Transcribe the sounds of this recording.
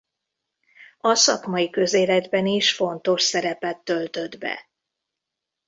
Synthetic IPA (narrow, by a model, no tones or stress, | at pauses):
ɒsɒkmɒjikø̞zeːlɛd̪bɛniʃfo̞nt̪o̞ʃsɛɾɛpɛt̪ːø̞lt̪ø̞d̪bɛ̰